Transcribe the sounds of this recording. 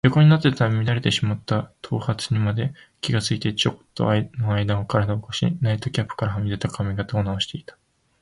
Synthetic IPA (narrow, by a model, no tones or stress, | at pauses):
jo̞ko̞ɲ̟inat̪ːe̞t̪amʲid̪aɾet̪e̞ɕimat̪ːat̪ʰo̞ːhat͡sɨɲ̟imad̪e̞ | kʲiɡat͡sɨit̪e̞t͡ɕokt̪ːo̞̰aino̞aid̪ãokaɾad̪aokoɕḭnait̪o̞kʲapːɯ̥kaɾaɦamʲid̪e̞t̪akʰamʲiɡat̪aonaoɕi̥t̪e̞it̪ḁ